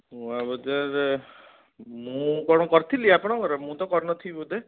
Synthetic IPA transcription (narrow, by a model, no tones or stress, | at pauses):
uabɔd̪aɾ | mũkɔɽ̃ɔkɔɾt̪ʰiliapɔɽ̃ɔkɔɾɔmũt̪ɔkɔɾnɔt̪ʰibud̪e